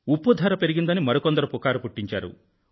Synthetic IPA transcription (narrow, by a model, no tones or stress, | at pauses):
upːud̪ʱɐɾɐpe̞ɾiɡind̪ɐnimɐɾokɔnd̪ɐɾupukaːɾupuʈːiɲt͡ʃa̰ːɾṵ